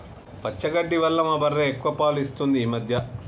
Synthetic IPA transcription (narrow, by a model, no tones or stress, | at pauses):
pɐt͡ʃːɐɡɐɖːiʋɐlːɐmɐbɐɾːeːekːuʋɐpaːluist̪und̪iːmɐd̪ʱjɐ